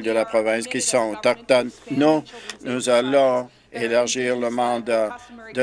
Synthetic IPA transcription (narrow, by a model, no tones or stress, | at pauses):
ld̪əlapʁɔvɛ̃skʲisɔ̃t̪ɔk̚t̪ɔnnunuzalɔ̃ | elaʁʒiːʁləmɑ̃d̪ad̪ə